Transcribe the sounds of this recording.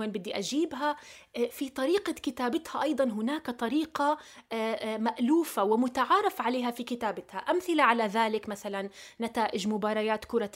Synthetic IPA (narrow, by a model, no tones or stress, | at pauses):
eːnbɪd̪ːiʔad͡ʒiːbɦafit̪ˤɑɾiːqɑkɪt̪aːbɪt̪haʔɑjd̪ˤɑnɦʊnaːkat̪ˤɑɾiːqa | maʔluːfawɪmʊt̪aʕɑːɾˤɪfʕaleːɦafikɪt̪aːbɪt̪haʔamθɪlaʕalaðaːlɪkmaθalanːat̪aːʔɪd͡ʒmʊbɑːɾˤɑjaːt̪kʊɾˤɑ